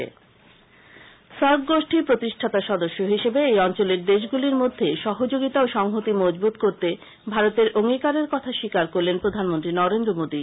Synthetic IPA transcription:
ḛ | saɾɡɡoʃʈʰipɾot̪iʃʈʰat̪aʃɔd̪oʃːoɦiʃebeejɔnt͡ɕoleɾd̪eʃ̬ɡuliɾmod̪ʱːeʃɔɦod͡ʑoɡit̪aoʃɔŋɦot̪imɔd͡ʑbut̪̚koɾt̪e | bʱaɾot̪eɾoŋikaɾeɾkɔt̪ʰaʃikaɾkoɾlenpɾod̪ʱanmont̪ɾinɔɾend̪ɾomod̪i

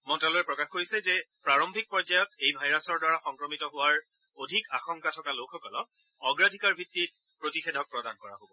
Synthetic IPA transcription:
mɔntalɔɹɛpɹɔkaxkoɹisɛzɛpɹaɹombʱik̚pɔzajɔtejbʱajɹasɔɹdwaɹaxɔŋkɹɔmitɔɦʊwaɹ | odʱika̰xɔŋkatʰɔkalokxɔkɔlɔk̚ | ɔɡɹadʱikaɹbʱitːit̚ | pɹotixedʱɔk̚pɹɔdankɔɹa̰ɦobɔ

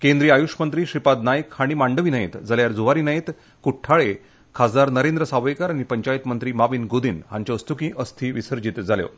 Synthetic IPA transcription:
kend̪ɾiajuʂmənt̪ɾiːɕipad̪najəkhaɽ̃imaɳɖəʋiːnajḛt̪d͡zaljaɾd͡zuʋaɾiːnaet̪ | kuʈʰːaɭe | kʰad͡z̪aɾnəɾend̪ɾəsaʋəjkaɾaɽ̃ipəɲt͡ɕajit̪mənt̪ɾiːmaʋiːnɡod̪inɦaɲt͡ɕaust̪ukĩʔəst̪ʰiːʋisəɾd͡ʑit̪d͡zʱaljo̰

